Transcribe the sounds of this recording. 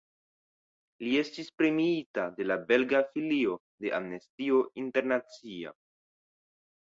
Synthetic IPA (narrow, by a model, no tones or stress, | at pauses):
lie̞stispɾemiitade̞labe̞lɡafilio̞ | de̞ʔamne̞stio̞inte̞ɾnat͡sia̰